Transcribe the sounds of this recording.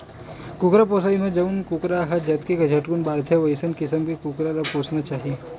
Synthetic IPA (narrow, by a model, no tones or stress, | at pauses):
kukɾapoːsaimẽd͡ʒɐunkukɾaɦɐd͡ʒɐt̪kekɐd͡ʒʱɐʈkunbaːɾt̪ʰjeʋɐisənkɪsəmkekukɾalapoːsnat͡ʃaːɦie